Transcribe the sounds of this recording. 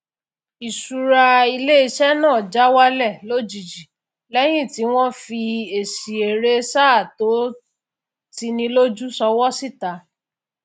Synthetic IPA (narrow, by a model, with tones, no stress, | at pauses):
i˨su˨ɾa˧i˧le˦i˧ʃɛ˦nãː˦˨d͡ʒa˨˦wa˦lɛ˦˨lo˦˨d͡ʒi˨d͡ʒi˨ | lɛ˦j̃ĩ˦˨ti˨˦w̃ɔ̃˦fi˧e˨si˨e˨ɾe˦sa˦˨to˨˦ | ti˧nĩ˧lo˦d͡ʒu˦sɔ˧wɔ˦si˦˨ta˨˦